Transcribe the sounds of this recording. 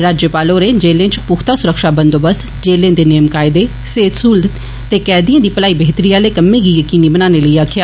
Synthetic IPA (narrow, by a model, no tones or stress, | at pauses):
ɾaːd͡ʒjəpaːloːɾeːd͡ʒeːlẽːt͡ʃpʊkʰt̪aːsʊɾəkʃaːbənd̪oːbəst̪ | d͡ʒeːlẽːd̪eːneːmkaːɪd̪eː | seːt̪suːld̪ | t̪eːkɛːd̪iãːd̪iːpəlaːiːbeːt̪əɾiːaːleːkəmːẽːɡiːjəkiːniːbənãːneːləiːaːkʰɪjaː